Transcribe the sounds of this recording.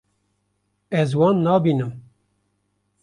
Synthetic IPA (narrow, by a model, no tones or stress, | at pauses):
ɛzwɑːnːɑːbiːnɨm